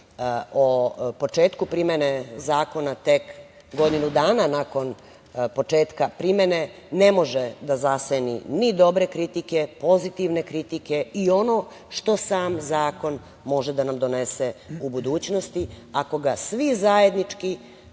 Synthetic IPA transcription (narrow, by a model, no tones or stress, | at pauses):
opo̞t͡ʂeːt̪kupɾimenezaːko̞nat̪e̞k | ɡo̞d̪inud̪aːnanako̞n | po̞t͡ʂeːt̪kapɾimene̞ | ne̞mo̞ʒed̪azasenḭnid̪o̞bɾe̞kɾit̪ike̞po̞zit̪iʋne̞kɾit̪ike̞io̞no̞ː | ʃt̪o̞saːmzaːko̞n | mo̞ʒɛd̪anamd̪o̞ne̞seubud̪uːt͡ɕno̞st̪i | ako̞ɡasʋizaje̞d̪nit͡ʃki